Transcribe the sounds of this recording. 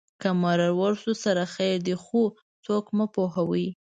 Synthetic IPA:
kamɑɾaɾwaɾsusaɾaxajɾd̪exu | t͡sokmapoɦawi

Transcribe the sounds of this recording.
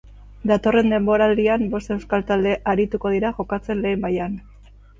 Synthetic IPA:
d̪at̪o̞re̞nd̪e̞mbo̞ɾald̪iambo̞st̪e̞wskalt̪ald̪e̞ʔaɾit̪uko̞ð̞iɾaʝo̞kat͡se̞nle̞ːmbajan

